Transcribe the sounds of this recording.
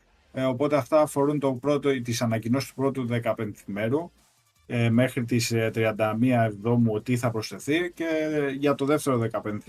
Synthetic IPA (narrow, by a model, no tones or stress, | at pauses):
o̞po̞t̪e̞ɐft̪ɐːfo̞ɾunt̪o̞pɾo̞t̪ot̪isɐnɐcino̞sist̪u̥pɾo̞t̪uðe̞kɐpe̞nθime̞ɾu | eme̞xɾit̪ist̪ɾiɐnd̪ɐmiɐevðo̞mut̪iθɐpɾo̞sθe̞θice̞ʝɐt̪o̞ðe̞ft̪e̞ɾo̞ðe̞kɐpe̞nθ